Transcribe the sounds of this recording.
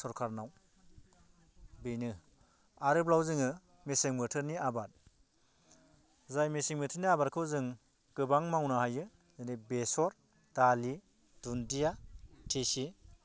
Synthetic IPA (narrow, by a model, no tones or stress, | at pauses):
sɔɾkʰaɾnaw | bijnɯ | aɾɯblawzɯŋɯ | meseŋmɯtʰɯɾniabat̚ | zajmesiŋmɯtʰɯɾniabat̚kʰɯwzɯŋ | ɡ̥ɯbaŋmawnaɦajɯ | zɯnibesɔɾ | d̥ali | dundijatʰesi